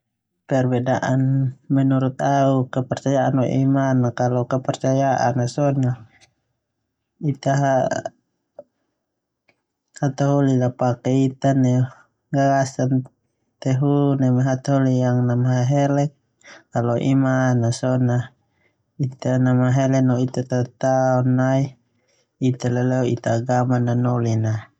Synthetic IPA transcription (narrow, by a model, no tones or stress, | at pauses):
pɛrbɛdaʔanmɛnuɾut̪aukapɛrt͡ʃajaʔanwa̰ʔimanːakalɔkapɛrt͡ʃajaʔa̰nasɔna | it̪aɦa | hat̪aɦɔlilapakɛit̪anɛ | ɡaɾasan | t̪ɛɦunɛmaɦat̪aɦolijaŋnamaɦaɦɛlɛk̚ | kalɔʔḭmanasɔna | it̪anamaɦɛlɛnɔit̪at̪at̪aɔnːai | it̪alalɛɔit̪aːɡamananɔlina